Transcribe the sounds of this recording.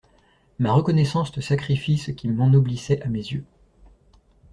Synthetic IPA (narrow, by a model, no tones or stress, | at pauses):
maʁəkɔnɛsɑ̃sd̪əsakχifisəkʲimɑ̃nublisɛʔamezjø